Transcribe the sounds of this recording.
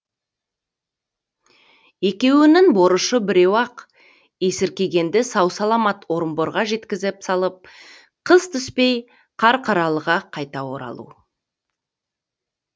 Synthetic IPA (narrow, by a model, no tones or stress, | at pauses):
e̞kʲe̞wɪnɪŋbo̞ɾəʃəbɪɾe̞wɑq | je̞sɪɾkʲe̞ɡʲe̞nd̪ɪsɑwsɑlˠɑmɑt̪ʰwoɾəmbo̞ɾʁɑʒe̞t̪kʲɪzɪpsɑlˠəp̚ | qʰəzt̪ʰʏspe̞j | qʰɑɾqʰɑɾɑlˠəʁɑqʰɑjt̪ɑwo̞̰ɾɑ̰lˠṵ